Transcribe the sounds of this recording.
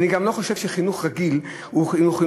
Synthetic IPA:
niɡamlo̞χoʃe̞vʃeχinuχʁaɡil | uχinuχi

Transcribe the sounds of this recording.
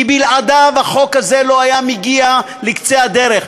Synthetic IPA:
ibilad̪avaχo̞khazelo̞ajamiɡia | likt͡sead̪eɾeχ

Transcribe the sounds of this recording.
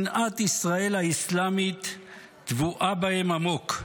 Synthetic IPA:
nʔat̪isʁae̞lhaislamit̪ː | vuʔabahemamo̞k

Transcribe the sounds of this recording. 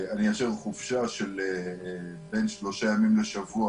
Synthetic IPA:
anijaʃevχufʃaʃele | be̞jnʃlo̞ʃajamimleʃavua

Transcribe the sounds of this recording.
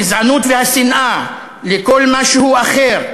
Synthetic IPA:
zʕanut̪vehasinʔa | lekolmaʃehuaχeʁ

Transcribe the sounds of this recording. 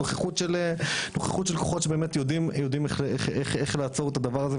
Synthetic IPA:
oχeχut̪ʃelenoχeχutʃelkoχotʃebeːmet̪jo̞dimjod̪imeχeχeχeχlaːt͡so̞ʁet̪ad̪avaʁaze

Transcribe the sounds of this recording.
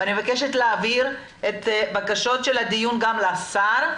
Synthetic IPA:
anievakeʃet̪leːviʁ | et̪bakaʃo̞tʃelhad̪ijunɡamlasaʁ

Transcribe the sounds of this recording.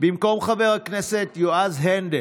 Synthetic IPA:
bimko̞mχaveʁakneset̪joʔazɦend̪e

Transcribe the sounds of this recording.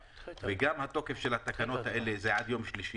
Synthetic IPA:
veɡamhat̪o̞ke̞fʃelhat̪akano̞t̪haʔe̞lezeʕad̪jo̞mʃliʃi

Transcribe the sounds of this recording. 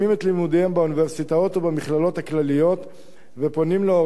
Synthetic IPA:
imet̪limud̪ehembeuniveʁsit̪aot̪obemiχlalo̞t̪haklalijo̞t̪ | vepo̞nimleo

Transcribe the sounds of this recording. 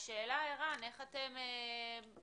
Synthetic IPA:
ʃeːlaeʁaneχateme

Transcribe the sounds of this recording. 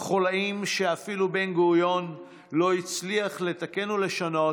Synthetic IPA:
χolaimʃe̞afilube̞nɡoujo̞n | lo̞it͡sliaχle̞t̪ake̞nule̞ʃano̞

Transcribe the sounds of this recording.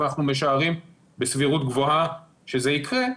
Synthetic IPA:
naχnume̞ʃ̬aːʁim | besviʁutɡvoha | ʃe̞zeikʁe̞

